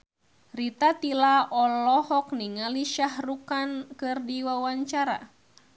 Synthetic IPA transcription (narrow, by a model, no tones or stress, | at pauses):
rit̪at̪ilaʔɔlɔhɔk̚niŋaliʃahrukankɨrdiwawaɲt͡ʃaɾa̰